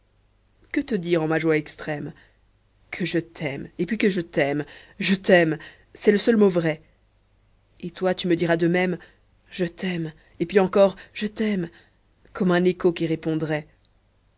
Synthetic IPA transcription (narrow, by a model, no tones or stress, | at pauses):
kət̪əd̪iʁɑ̃maʒwaɛkst̪χɛm | kʰəʒət̪ʰɛmepɥikəʒət̪ɛmʒət̪ɛm | sɛləsœlmovʁɛ | et̪wat̪yməd̪iʁad̪əmɛm | ʒət̪ʰɛm | epɥiɑ̃kɔʁʒət̪ɛm | kʰɔmɛ̃nekokʲiʁepɔ̃d̪ʁɛ